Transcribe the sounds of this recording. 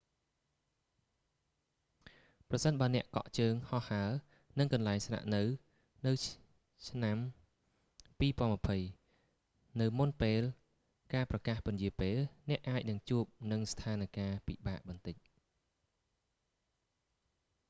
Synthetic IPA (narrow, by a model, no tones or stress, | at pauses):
prɑsənɓaənɛ̆əʔkɑ̰ʔt͡ɕəːŋhɑhaə | nɨŋkɑnlaɛŋsna̰ʔnɨw | nɨw | t͡ɕʰnam | piːpɔ̆ənmə̆əpʰəj | nɨwmunpeːl | kaːprɑkaːhpʊnjiəpeːlnɛ̆əʔaːc̚nɨŋt͡ɕuəp̚nɨŋst̪ʰaːnkaːpiɓaːʔɓɑnt̪ɨc̚